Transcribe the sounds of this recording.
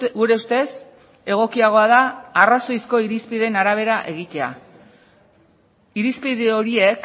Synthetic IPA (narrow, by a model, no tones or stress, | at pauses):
ɡuɾe̞ust̪e̞s | e̞ɣ̞o̞kiaɣ̞o̞aðaːraso̞jsko̞iɾispið̞e̞naɾaβ̞e̞ɾaʔe̞ɣ̞it̪e̞a̰ | iɾispiðeo̞ɾie̞k